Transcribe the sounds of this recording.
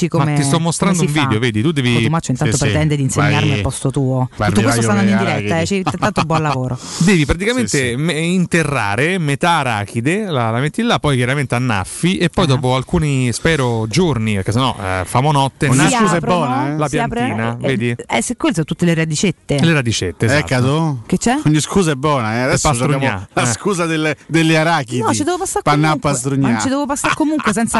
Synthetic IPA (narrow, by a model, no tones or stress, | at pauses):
t͡ʃikommet̪ist̪ɔmːost̪ɾand̪oũɱviːeoveːd̪it̪ud̪ːɛːvit̪umat͡ʃːoint̪at̪otpɾet̪ɛnd̪ed̪inseɲːaɾmialpɔst̪ot̪uːot̪utːokwesoand̪and̪oind̪iɾɛt̪ːaɛt͡ʃint̪ant̪obwɔnlavoːɾod̪ɛːvipɾat̪ikament̪emeint̪erːaːɾemet̪aɾa̰ːkid̪elalamet̪ːilːapːɔjkjaɾament̪eanːa̰fːiʔepːɔjd̪ɔːp̬oalkuːnispɛːɾod͡ʒornipeɾkesːenːɔ̰famonɔt̪ːenɲːikuːzaɛbɔːnaɛlapjanpɾiːnaveːd̪iɛsekːwelsot̪ut̪ːeleɾad̪it͡ʃet̪ːeleɾad̪it͡ʃet̪ːeːɛtkːat̪ok̟et͡ʃːɛkoɲːiskuːzaɛbːɔːnaɛad̪ɛssːpoastʃɾuaɲːalaskuːzad̪eld̪elːiaɾakiɔt͡ʃt͡ʃid̪ɛvopasːaɾpanːapːast̪ɾuɲːat͡ʃid̪ɛvopasːakːomuŋkwes̬ɛnt̪sa